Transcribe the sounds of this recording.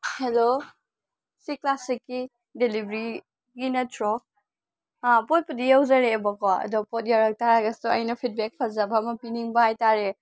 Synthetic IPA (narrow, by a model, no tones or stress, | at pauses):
helo | siklasikːi | delibʱɾi | ɡinɐtʰɾɔ | poj̚pudijawzɐɾebɐkɔɐ̰dɔpot̚jawɾak̚taɾaɡɐstuɐjnɐpʰit̚bek̚pʰɐzɐbɐmɐpiniŋbɐhajtaɾe